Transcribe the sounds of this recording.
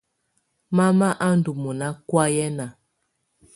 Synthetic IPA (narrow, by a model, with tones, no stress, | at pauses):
ma˦ma˦ʔa˦n˨du˨mu˨na˦kwa˦jɛ˦na˨